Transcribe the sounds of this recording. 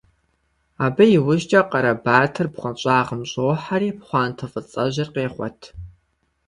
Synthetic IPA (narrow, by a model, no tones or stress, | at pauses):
aːbɐjɪwʊʒt͡ʃʼɐqɐɾɐbaːtʰɨrpχʷɔɕʼaːʁəmɕʼowħaɾiːpχʷɑːntʰɐfɨt͡sʼɐʑɪrqeːχʷɔ̰tʰ